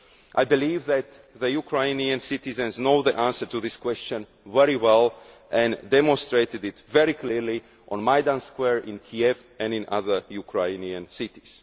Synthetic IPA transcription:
ʔajbɨlivðæt̪ | ðəjukʰɹaɪniə̃nsit̪izɨ̃nznoðiʔãnsə˞tuðɪskwɛst͡ʃə̃n | vɛɹiwɛlˠ | ʔɛ̃ndɛmɔ̃nstɹeɪtɨdɪtvɛɹikʰliɹli | ʔɔ̃nmajdãnskwɛɹɪ̃nkʰiɛv | ɛ̃nɪ̃na̰ðə˞jukʰɹeɪniə̃nsɪtiz̥

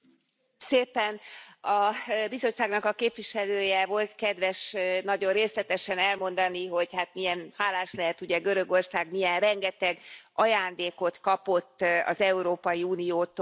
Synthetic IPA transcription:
seːpɛnɒbizo̞t͡ʃːaːɡnɒkɒkeːpʋiʃɛløːjɛvo̞lt̪kɛd̪ʋɛʃnɒɟo̞rreːslɛt̪ɛʃɛnɛlmo̞n̪d̪ɒniɦo̞ɟhaːt̪mijɛnhaːlaːʃlɛɦɛt̪uɟɛɡøɾø̞ɡo̞rsaːɡmijɛnrɛŋɡɛt̪ɛɡɒjaːnd̪eːko̞t̪kɒpo̞t̪ːɒ̰zɛuɾoːpɒjiuːnijoːt̪

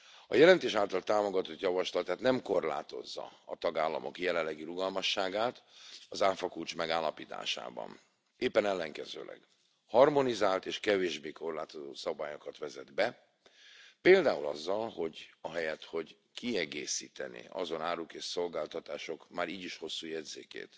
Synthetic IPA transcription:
ɒjɛlɛnt̪eːʃaːlt̪ɒlt̪aːmo̞ɡɒt̪o̞t̪jɒvɒʃlɒt̪aːt̪nɛmko̞rla̰ːt̪o̞zːɒ̰ɒt̪ɒɡaːlːɒ̰mo̞̰kjɛlɛlːɛɡiɾuɡɒlmɒʃːaːɡaːt̪ɒzaːfɒkult͡ʃmɛɡaːlːɒpiːt̪a̰ːʃa̰ːbɒ̰n | eːpːɛnɛlːɛŋkɛzø̰ːlʔɛ̰ɡ̥ | hɒrmo̞nizaːlt̪eːʃkɛveːʒbeːko̞rlaːt̪o̞zoːsɒbaːjo̞kɒt̪ʋɛzɛd̪bɛ | peːld̪aːulɒzːɒlho̞ɟɒɦɛjɛt̪ho̞ɟ | kiɛɡeːsiːt̪ɛnḭɒzo̞naːɾukeːʃso̞lɡaːlt̪ɒt̪aːʃo̞kmaːɾiːɟiʃho̞sːuːjɛd̪zḛːkḛːt̪

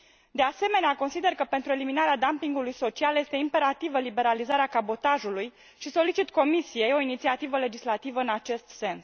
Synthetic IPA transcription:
d̪e̞ase̞me̞neako̞nsid̪e̞rkəpe̞nt̪ɾue̞liminaɾead̪ampiŋɡulujso̞t͡ʃialje̞st̪e̞impe̞ɾat̪ivəlibe̞ɾalizaɾeakabo̞t̪aʒuluj | ʃiso̞lit͡ʃit̪ko̞misije̞jo̞init̪siat̪ivəle̞d͡ʒislat̪ivəɨnat͡ʃe̞st̪se̞ns

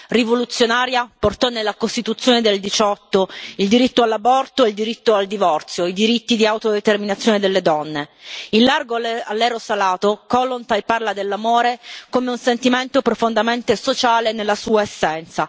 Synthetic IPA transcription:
rivolut̪sːjonaːɾjaport̪ɔnːelːakost̪it̪ut̪sːjoːned̪eld̪it͡ʃɔt̪ːoild̪iɾit̪ːoalːabɔrt̪oild̪iɾit̪ːoald̪ivɔrt̪sjoid̪iɾit̪ːid̪iawt̪od̪et̪erminat̪sːjoːned̪elːed̪ɔnːeilːarɡoalːɛːɾosalaːt̪okɔlːont̪ajparlad̪elːamoːɾekomeunsent̪iment̪opɾofond̪ament̪esot͡ʃaːlenelːasuːaesːɛnt̪sa

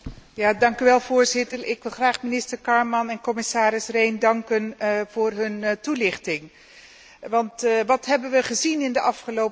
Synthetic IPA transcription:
jaːdɑŋkyʋɛlˠv̥ʊːɹzɪtəɹɪkʋɪlˠχraːχmɪnɪstəɹkɑɹmɑnɛnkɔmɪsaːɾɪsrejndɑŋkənv̥ʊːrɦɵntulɪχtɪŋ | ʋɑntʋɑtɦɛbənʋəχəzinɪndəʔɑfχəlowp

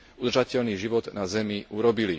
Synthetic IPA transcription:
ud̪rʒacɛʎniːʒiʋɔd̪nazɛmiʔuɾɔbili

